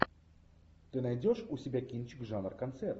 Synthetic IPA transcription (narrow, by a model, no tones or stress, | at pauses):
t̪ɨnajdʲoʂusʲɪbʲakʲint͡ɕɪkʐanrkɐnt̪sɛrt̪